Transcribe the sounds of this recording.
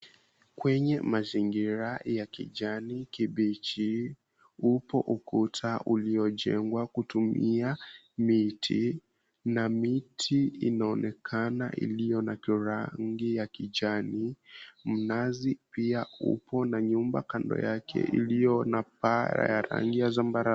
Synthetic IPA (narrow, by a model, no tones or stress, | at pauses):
kwɛɲɛmaziŋɡiɾajakḭʄanikiɓit͡ʃi | upɔʔukutʰaʔuliɔʄɛŋɡwakutumia | mitʰḭ | namitʰiinaɔnɛkʰanaʔḭlijɔnakiɾaŋɡijakiʄanim̩nazipiaṵpʰɔnaɲumbakandɔ̰jakʰɛ̰ʔḭlijɔnap̚aɾa̰jaɾa̰ŋɡijazambaɾa